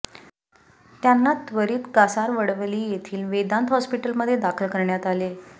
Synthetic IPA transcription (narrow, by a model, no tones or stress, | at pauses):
t̪janːat̪ʋəɾiːt̪ɡasaɾʋəɽʋliːjet̪ʰiːlʋed̪ant̪ɦɔspiʈəlməd̪ʱːjed̪akʰəlkəɾɳjat̪ale